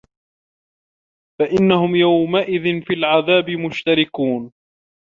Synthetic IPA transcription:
faʔɪnːahʊmjawmaʔɪðɪnfilʕaðaːbɪmʊʃt̪aɾɪkuːn

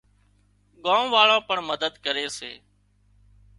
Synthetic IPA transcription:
ɠãːmʋaːɭãːpəɳməd̪əd̪kəɾeːsḛː

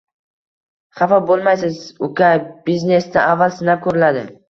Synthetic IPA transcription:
χɑfabolˠmajsɪzʊkʰʲabizne̞sd̪aʔavːalsɪnap̚kʰɵɾɪlad̪ɪ̰

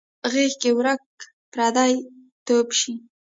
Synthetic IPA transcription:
ɣexkewɾak̚ | pɾɑd̪ɑj | t̪opʃi

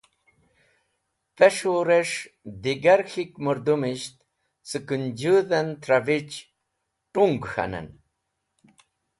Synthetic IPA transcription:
peʂoɾeʂ | d̪iɡaɾxikmuɾd̪umiɕt̪ | sɨkund͡ʑuðant̪ɾavit͡ɕ | ʈuŋɡxa̰nə̰n

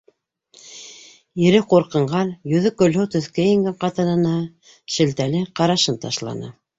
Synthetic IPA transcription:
ɘ̆ɾɘquɾqɤ̆ɴɢɑnjɵ̆ðɵkɵ̆lɦɵwt̪ɵ̆θkæjĭŋɡɘqɑt̪ɤ̆nɤ̆nɑ | ʃɘ̆lt̪ælɘqɑɾɑʃɤnt̪ɑ̰ʃlˠɑ̰nɤ̰

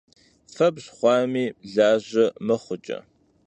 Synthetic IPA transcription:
fɐbɕχʷɑːmiːɮaːʑɐmɐχʷʊt͡ʃʼɐ̰

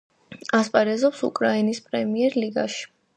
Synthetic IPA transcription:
aspʼaɾɛzɔpsṵkʼɾainispʼɾɛmiɛɾliɡa̰ʃi̥

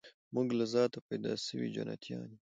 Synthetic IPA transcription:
muɡlazɑːt̪apad̪aːsəwid͡ʒɐ̰na̰t̪ʰijɑ̰ːni

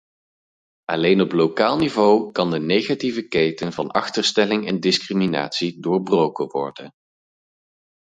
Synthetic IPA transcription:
ɑlejnɔplowkaːlˠnivowkɑndənejχativəkejtənvɑnʔɑ̰χtəɹstɛlɪŋɛndɪskrimina̰ːtsidʊːɹbrowkəʋɔ̰ɹdən

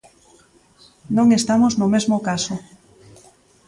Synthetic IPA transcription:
nõŋest̪amoznomezmokaso

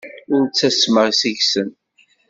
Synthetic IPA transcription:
ʊɾt͡sːæsməʁsiʝsən

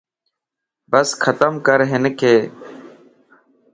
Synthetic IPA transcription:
bəskʰət̪əmkəɾɦɪnkʰeː

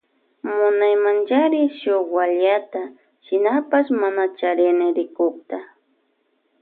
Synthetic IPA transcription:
mʊnajmant͡ʃaɾɪʃoxwaʎat̪a | ʃɪnapaʃmanat͡ʃaɾɪnɪɾɪkʊkt̪a

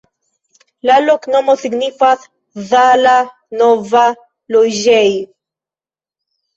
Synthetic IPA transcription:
laloknɔmoθiɡnifaθ | ðala | nɔva | lojʒɛj

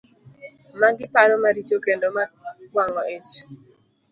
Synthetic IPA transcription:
maɡɪpaɾɔmaɾit͡ʃokendɔmakwaŋɔet͡ʃ

